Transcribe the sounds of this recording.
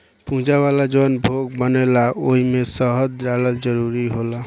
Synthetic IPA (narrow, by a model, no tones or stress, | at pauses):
pũɦd͡ʒaβalad͡ʒonbʱoɡ̚bənelaʔoɦimesʌɦəd͡ʒɾaləld͡ʒəɾuɾiɦola